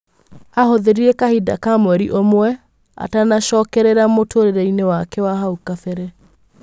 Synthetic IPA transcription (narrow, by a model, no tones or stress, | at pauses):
ahoðeɾiɾɛkahida̰kamwɛɾiʔomwɛ | a̰tanaʃɔːkɛɾeɾamotʰoɾeɾɛinewakɛwaɦaukafɛɾɛ